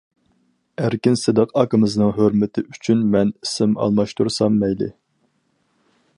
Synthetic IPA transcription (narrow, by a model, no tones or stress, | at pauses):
æɾkʲinsɨd̪əqɑkɨmɨznɨŋɦøɾmɪt̪ʰɪʔyt͡ʃʰynmɛnisɪmɑ̰lˠmɑʃt̪uɾsɑmːɛjlɪ̰